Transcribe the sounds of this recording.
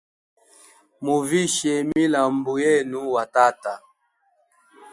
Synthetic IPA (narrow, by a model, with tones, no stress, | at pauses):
mu˨vi˦ʃɛ˨mi˦la˨m̩˨bu˨jɛ˦nu˦wa˨ta˦ta˨